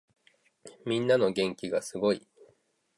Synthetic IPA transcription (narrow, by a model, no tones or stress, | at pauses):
mʲĩnːano̞ɡẽ̞ŋkʲiɡasɨɡo̞i